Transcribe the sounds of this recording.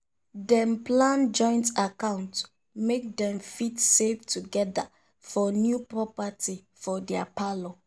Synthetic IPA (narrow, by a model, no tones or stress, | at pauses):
dɛ̃mplãnd͡ʒɔ̃ɪ̃ntakãʊ̃nt | mek̚dɛ̃mfitsevtuɡɛda | fɔnjupɹɔpati | fɔdɛapalo